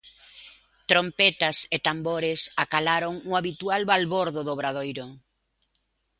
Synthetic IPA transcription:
t̪ɾompɛt̪ɐset̪amboɾɪsakalaɾoŋʊaβit̪ualβalβoɾðʊðoβɾað̞ojɾʊ

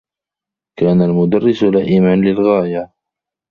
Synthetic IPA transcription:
kaːnalmʊd̪ɑrːɪslaːʔimanlɪlɣaːja

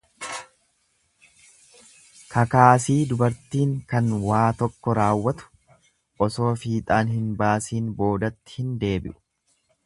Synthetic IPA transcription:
kʰɐkaːsiːd̪ʊbɐɾt̪iːŋkɐnwaːt̪ɔkːɔɾaːwːɐt̪ʊ̥ | ʔɔso̞ːfiːt̪ʼaːnhɪnbaːsiːnbo̞ːd̪ɐt̪ːɪ̥hɪnd̪e̞ːbɪ̰ʔʊ̥

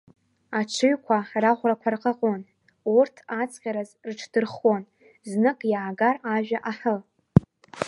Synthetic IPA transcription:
at͡ʃʷʰɨɥkʷʰaraχʷrakʷʰarqʼaqʼon | urtʰat͡sʰʼqʲʼaɾazrʈ͡ʂʰdɨrχon | znɨkʼjaʕaɡaraʒᶣaʔaħə

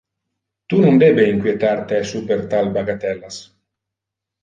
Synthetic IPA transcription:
t̪unund̪ebeiŋkwjet̪aɾt̪esupeɾt̪albaɡat̪ɛlːas

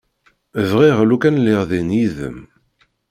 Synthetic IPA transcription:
əvʁiʁlukænlɪʁðinjiðə̰m

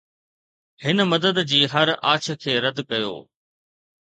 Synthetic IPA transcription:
hɪnmɐd̪əd̪d͡ʑiːɦɐɾaːt͡ɕʰə̆kʰeːɾɐd̪kɐjo̰ː

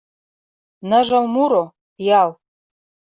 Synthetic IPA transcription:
nə̆ʒɤ̆lmuɾo | jɑl

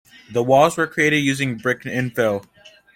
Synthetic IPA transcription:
ðəwɔlˠzwə˞kʰɹ̥ieɪɾɨdjʉzɪ̃ŋbɹɪknɪ̃nfɪlˠ

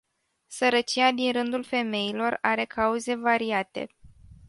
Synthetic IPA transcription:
səɾət͡ʃijad̪inrɨnd̪ulfe̞me̞ilo̞raɾe̞kʰauze̞vaɾiat̪e̞̰

